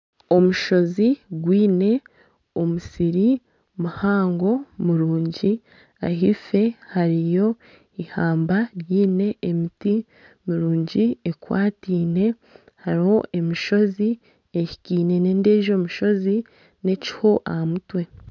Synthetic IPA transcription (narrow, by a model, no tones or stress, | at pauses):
o̞muʃo̞ziɡwiːne̞ | omusiɾi | muhaːŋɡo̞muɾuːɲɟi | a̰ɦife̞haɾijo̞ | ihaːmbaɾjiːne̞ːmiti | miɾuːɲɟiekwa̰ːtiːne̞ | haɾiho̞ʔe̞miʃo̞zi | eʃi̥kiːne̞ne̞ːnde̞ːʒo̞ːmuʃo̞zi | ne̞ci̥ho̞ʔahamutwe̞